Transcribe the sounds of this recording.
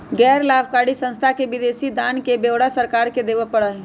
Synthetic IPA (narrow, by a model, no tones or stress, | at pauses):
ɡɛːɾlabʰkaɽisə̃nst̪ʰakebid̪eːsid̪ankebeʋɽasəɾkaɾked̪eːʋəpəɽəɦ